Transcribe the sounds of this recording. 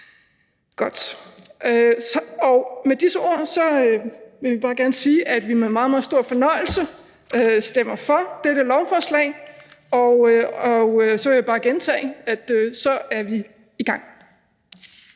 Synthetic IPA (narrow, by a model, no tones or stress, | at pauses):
ɡ̥ɒ̽d̥øɒʊmed̥isəo̝̰ɐ̰sɒ̽øʋe̝ib̥ɑ̈ːɡ̥æɐnəsiːʔæd̥ʋimeðmɑ̈ːð̩ˠmɑð̩ˠsd̥o̝ɐ̰fɒ̽nɒ̽ɪ̰l̩sə | øsd̥em̰ɐfɒ̽d̥eɾ̥əlɒʊfɒːslɛ̰ɪɒʊɒsɒ̽ʋe̝jibɑ̈ːɡ̥ent͡sʰɛ̰ːɪæd̥øsɒ̽æɐʋi | iɡ̥ɑ̈ŋ̰